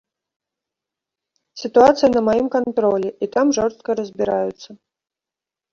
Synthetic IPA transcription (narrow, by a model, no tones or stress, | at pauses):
sʲit̪uat̪sɨjɐnɐmajimkant̪ɾɔlʲɛʔit̪amʐɔrst̪kɐɾɐzʲbʲiɾajut̪sːɐ